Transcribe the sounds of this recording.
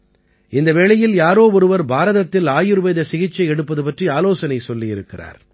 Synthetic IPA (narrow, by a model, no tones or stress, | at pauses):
ɪnd̪ɐʋeːɭɐjɪljaːɾoːɔɾɯʋɐɾbaːɾɐðɐt̪ːɪlaːjɪɾɯʋɐɪðɐsɪɣɪt͡ʃːɐɪɛɽɯpːɐðɯpɐʈriaːloːsɐnɐɪsɔlːijɪɾɯkːɪra̰ːɾ